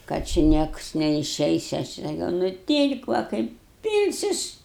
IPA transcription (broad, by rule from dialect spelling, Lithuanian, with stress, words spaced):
kɐt t͡ʃʲɪ ˈnʲiɛks nʲɛɪˈʃʲɛɪs ˈɐʃ ɪ sɐˈkʲɛʊ nʊˈtʲiːlʲkʲ ʋɐ ˈkɐɪp ˈpʲiːlʲsʲʊs